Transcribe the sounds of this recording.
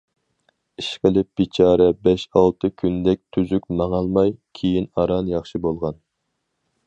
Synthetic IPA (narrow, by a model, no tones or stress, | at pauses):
iʃqəlɪp̚b̥it͡ʃʰɑːɾɛbɛʃɑlˠt̪ʰɨkʲʰynd̪ɛk̚ʲt̪ʰyzykʲmɑŋɑlˠmɑjkʲʰejinɑɾɑnjɑχʃibolˠʁɑn